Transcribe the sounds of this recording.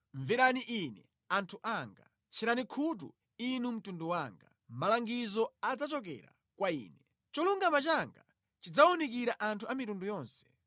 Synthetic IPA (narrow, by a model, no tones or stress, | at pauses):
ɱvɛɾaniʔinɛ̰ | antʰuʔaŋɡa | t͡ʃʰiɾanikʰut̬ṵ | inum̩tunduwaːŋɡa̰ | malaŋɡizɔad͡zat͡ʃɔk̬ɛ̰ɾa̰ | kwaḭːnɛ | t͡ʃɔluŋɡamat͡ʃaŋɡa | t͡ʃid͡zaɔnikiɾaʔantʰuamitundujɔːnsɛ̥